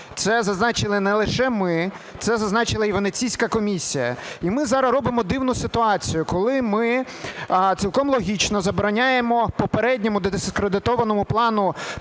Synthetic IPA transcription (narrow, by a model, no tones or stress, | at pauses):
t̪sɛzɐznɑt͡ʃɪlˠɪnɛlˠɪʃɛmɪ | t̪sɛzɐznɑt͡ʃɪlˠɐiʋɐnet͡sʲijsʲkɐkɔmʲisʲijɐ̰imɪzɑɾɐzɾɔbɪmɔd̪ɪwnʊsɪt̪ʊɑt͡sʲijʊkɔlˠɪmɪ | t͡sʲilˠkɔmlˠɔɦʲit͡ʃnɔzɐbɔɾɐnʲajemɔpɔpeɾɛdʲnʲɔmʊd̪ɔd̪eskɾed̪ɪt̪ɔʋɐnɔmʊplˠɑnʊ